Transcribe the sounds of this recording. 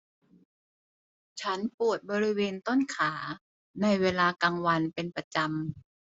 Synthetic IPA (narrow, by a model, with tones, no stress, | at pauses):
t͡ɕʰa˦˥npu˨˩ət̪̚bɔː˧ɾi˦˥weː˧nt̪o˥˩nkʰaː˩˦ | na˧jweː˧laː˧kaː˧ŋwa˧npe˧npɾa˧t͡ɕa˧m